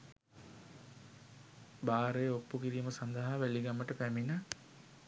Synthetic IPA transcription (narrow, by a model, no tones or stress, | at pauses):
baːɾejopːukiɾiːməsand̪əɦaʋæliɡamːəʈəpæmina